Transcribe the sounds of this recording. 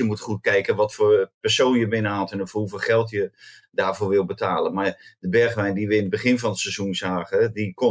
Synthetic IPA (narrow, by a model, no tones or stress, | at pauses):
əmutχut̚kɛjkənʋɔtfoːrpɛrsoːnjəbɪnəɦalˠtənofuvəlˠχɛlˠtjə | daːvoːrʋɪlˠbətaːlˠənmadəbɛrχʋɛjndiʋəɪnəd̚bəχɪnvɔnətsɛzunzaːχədiko